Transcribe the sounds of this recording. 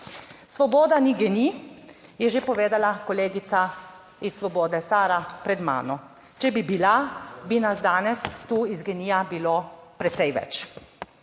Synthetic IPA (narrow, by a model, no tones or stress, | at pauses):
sʋɔbɔːd̪aniɡɛnijɛʒepɔʋeːd̪alakɔleːɡit̪sa | isːʋɔbɔːd̪ɛsaːɾapɾɛd̪ma̰ːnɔ | t͡ʃɛbibilabinasd̪aːnɛst̪uːizɡɛnijabiloːpɾɛt̪sɛjʋɛ̰t͡ʃ